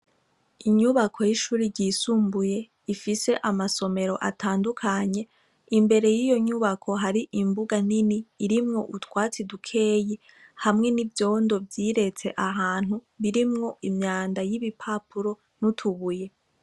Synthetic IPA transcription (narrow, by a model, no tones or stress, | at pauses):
iɲuβakʰo̞jiʃuːɾiɾɟisuːmbuje̞ | ifise̞ʔamaso̞me̞ɾo̞ʔatʰaːndukʰaɲe̞ | imbe̞ɾe̞jijo̞ɲuβakʰo̞ɦaɾiʔimbuɡan̥iniːɾimŋo̞ʔutwaːt͡sidukʰe̞ːje | hamŋe̞nivjo̞ːndo̞bjiːɾe̞t͡se̞ʔaɦaːn̥hu | βiɾimŋo̞ʔimɲaːndajiβipʰapuɾo̞ | nutʰuβuje̞